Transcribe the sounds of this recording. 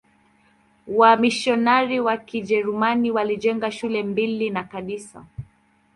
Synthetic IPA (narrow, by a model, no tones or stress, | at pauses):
wamiʃɔnaɾiwakiʄɛɾumaniwaliʄɛŋɡaʃulɛmbilinakaɗisa̰